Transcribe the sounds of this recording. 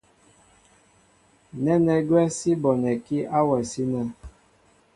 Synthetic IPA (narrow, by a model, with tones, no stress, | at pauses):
nɛ˦nɛ˨ɡwɛ˦si˦bɔ˨nɛ˨ki˦a˦wɛ˨si˦na˨